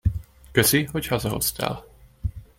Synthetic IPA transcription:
køsiɦochɒzɒɦo̞̰st̪ʰa̰ːl

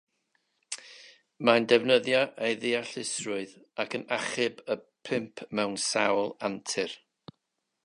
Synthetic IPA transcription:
mandɛvnəðjɔʔejðɪaɬɪsrʊɨðakʰənaχɪbəpʰɪmpʰmɛwnsawlˠantʰɪr

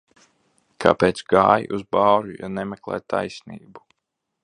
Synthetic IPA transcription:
kʰa̰peːt̪sɡaːjiʔuzbaːɾuja̰nɛmɛklˠɛ̰ːjt̪ʰa̰jsnḭːbu

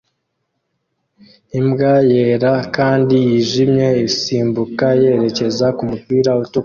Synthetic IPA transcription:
imɡajeːɾakaːndijiʒimɲe̞isiːmbukaje̞ɾe̞ce̞zakumupiːɾautu

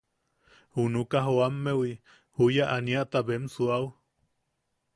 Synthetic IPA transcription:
hunukaɦoamːewi | hujaʔaniaʔt̪abemsuaw

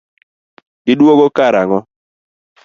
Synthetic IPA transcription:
ɪdwoɣokaɾaŋɔ

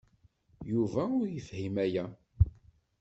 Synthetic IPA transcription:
juvæʊɾjəθhimæjæ

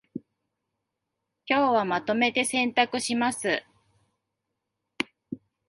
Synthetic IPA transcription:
kʲo̞ːβamat̪o̞me̞t̪e̞sẽ̞nt̪akɯ̟ɕimasɨ

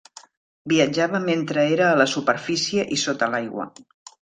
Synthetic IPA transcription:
biəd͡ʒaβəment̪ɾəeɾəːləsupəɾfisiəʔisot̪əlajɣwə̰

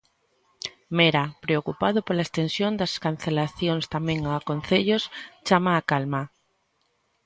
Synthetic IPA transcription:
meɾapɾeokupað̞opolaest̪ensjond̪askanθelaθjonst̪amẽŋakon̟θeʎost͡ʃamaːkalma

